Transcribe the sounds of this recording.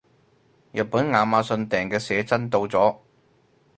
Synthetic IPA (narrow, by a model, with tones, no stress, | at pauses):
jɐ˨t̚puː˨˥nŋaː˨˧maː˨˧sɵ˧nt̪ɛː˨˩ŋkɛː˧sɛː˨˧˥t͡sɐ˥nt̪o˧wt͡sɔː˨˥